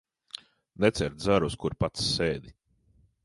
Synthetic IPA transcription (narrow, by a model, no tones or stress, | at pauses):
nɛt̪sɛɾd̪zaɾuskuɾpat̪sːeːd̪i